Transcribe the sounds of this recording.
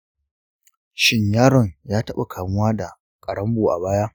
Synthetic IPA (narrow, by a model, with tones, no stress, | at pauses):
ʃɪ˦ɲjaː˦ɾɔ˨ɲjaː˦tɐ˦ɓa̰˨kʰaː˨mʊ˦waː˦da˨ | kʼɐ˨ɽɐ˦mboː˨ʔa̰˨baː˦jaː˦